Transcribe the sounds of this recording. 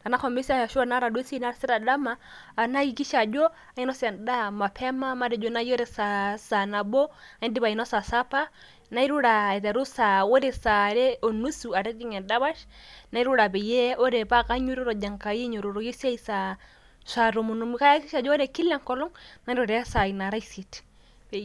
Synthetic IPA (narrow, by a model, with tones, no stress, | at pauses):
a˨na˦kʰɔ˨mbi˦si˦a˨a˨ʃu˦a˦na˦ɾa˨du˦ɛ˦si˦i˦na˦ɾsɛ˦ɾa˨da˦maː˦˨na˦ki˨ki˦ʃa˨d͡ʒɔ˦ | a˨˦i˦nɔ˦sɛ˨nda˦ma˨pʰɛ˦ma˦ma˦ɾɛ˨d͡ʒɔ˦na˦ji˦ɔ˦ɾɛ˨sa˨sa˨na˨bɔ˦a˨i˦ndi˦βa˨i˨nɔ˦sa˨sa˦pa˦ | na˦i˦ɾu˦ɺa˨ɛ˨tɛ˨ɾu˦sa˨o˦ɾɛ˨sa˨ɾɛ˦o˨nu˦su˨a˨ɾɛ˦di˦ŋɛ˨nda˦βa˦ʃna˦i˦ɾu˦ɾa˨pɛ˨jɛ˦ɔ˦ɾɛ˨pa˦ka˦ɲu˦ɾu˦ɾɔ˨d͡ʒa˨ŋka˨ji˦ɲo˨ɾo˨ɾɔ˨je˦si˦a˦i˦sa˨ | sa˨ɾo˨mu˨nu˨mu˦ka˦ja˦ki˦ʃa˨d͡ʒɔ˦ɾɛ˨ki˦lɛ˦ŋkɔ˦lɔ˦ŋna˦ɾɔ˨ɾɛ˨˦sa˨i˨na˨ɾa˦i˨si˨t | pɛ˨